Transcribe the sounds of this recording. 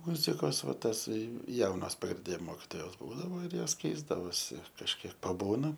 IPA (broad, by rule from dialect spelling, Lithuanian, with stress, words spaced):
ˈmʊzʲɪkoːs ˈʋɐ ˈtɑːsɐɪ ˈjɛʊnɐs prɐˈdʲeː moːkʲɪtoːˈjɛʊt ˈbuːdɐʋoː ɪr ˈjoːs ˈkʲɛɪzdɐʋoːsʲɪ kɐʃʲˈkʲiɛk pɐˈbuːnɐ